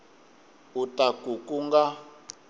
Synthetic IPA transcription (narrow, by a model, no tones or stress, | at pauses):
utakukuŋɡa